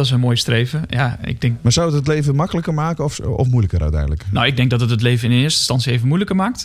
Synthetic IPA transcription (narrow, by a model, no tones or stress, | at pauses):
dɔtɪsənmoːjstreːvəjaɪ̰ɡ̚dɛŋkmasawətətlejvəmɑkələkərmaːkənɔfɔ̰fmujləkərœ̰tɛ̰jdələknowɪɡ̚dɛŋɡdɔtətətlejvənɪndənɪːɹstə̥stɑntsievənmujləkəɹmaːk̚t